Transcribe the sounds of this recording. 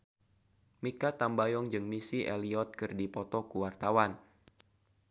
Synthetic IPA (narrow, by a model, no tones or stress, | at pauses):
mikat̪ambajɔŋd͡ʒɨŋmisiʔeliɔt̪̚kɨrdipɔt̪ɔkuwart̪awan